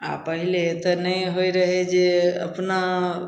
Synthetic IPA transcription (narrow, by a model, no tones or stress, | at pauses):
a̰pəɦilet̪ɔnəjɦojɾəɦɛd͡ʒeə̰pna